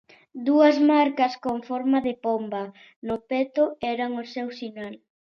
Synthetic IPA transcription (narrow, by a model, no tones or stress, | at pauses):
d̪uɐzmaɾkɐskoɱfɔɾmaðepombɐ | nʊpɛt̪oɛɾɐŋosewsinal